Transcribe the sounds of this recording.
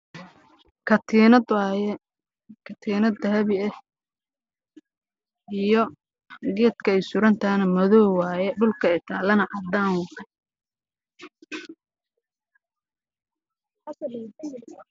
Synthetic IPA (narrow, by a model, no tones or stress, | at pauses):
kʰɐt̪ʰinɐjɛ | kʰɐt̪ʰiːnɐd̪ɐhɐβɪɛ | ʔijɔ | ɡɛːd̪kʰɐɛjsʊɾɐnt̪ʰanɐmɐðɔːwɑːjɛɖʊlkʰɐɪt̪ʰaːlɐnɐʕɑd̪aːŋwɑħɐ